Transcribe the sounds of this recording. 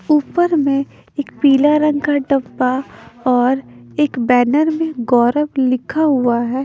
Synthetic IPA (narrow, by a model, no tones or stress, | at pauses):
uːpəɾmẽ | eːkpiːlaɾə̃ŋɡkaɖɐbːaɔːɾeːkbɛːnəɾmẽɡɔːɾəblɪkʰaɦuaɦɛː